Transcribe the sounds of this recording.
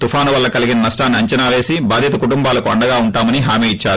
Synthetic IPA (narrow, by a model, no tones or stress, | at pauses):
t̪ufʰaːnuʋɐlːɐkɐliɡinɐnɐsʈaːniɐɲt͡ʃɐnaːʋe̞ːsibaːd̪ʱjit̪ɐkuʈumbaːlɐkuɐɳɖɐɡaːuɳʈaːmɐniɦaːmiːit͡ʃːaːɾu